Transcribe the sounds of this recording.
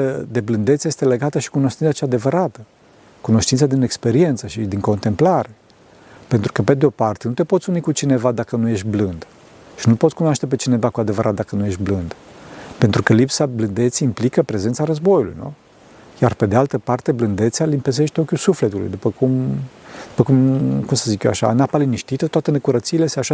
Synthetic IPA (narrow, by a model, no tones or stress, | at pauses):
əd̪e̞blɨnd̪esje̞st̪ele̞ɡat̪əʃi̥kuno̞ʃt̪insat͡ʃad̪e̞vəɾat̪ə | kuno̞ʃt̪int̪sad̪inekspe̞ɾie̞nt̪səʃid̪iŋko̞nt̪e̞mplaɾe̞ | pe̞nt̪ɾukəped̪eo̞part̪e̞nut̪e̞pot̪sʲunikut͡ʃine̞vad̪akənuje̞ʃt̪̚ʲblɨnd̪ | ʃinulpotsʲkunoaʃt̪e̞p̬e̞t͡ʃine̞vakuad̪e̞vəɾʔat̪̚d̪akənuje̞ʃt̪̚ʲblɨnd̪̥pe̞nt̪ɾukəlipsablɨnd̪e̞t̪seimplikəpɾe̞ze̞nt̪saɾəzbo̞julṵjnṵ | jarpe̞d̪ealt̪əpart̪eblɨnd̪e̞t̪sealimpes̬e̞ʃt̪okʲusufle̞t̪ulṵjd̪upəkumd̪̥upəkumkumsəzikʲjoaʃa̰napaliniʃt̪it̪ət̪wat̪enekuɾət̪siːleseaʃa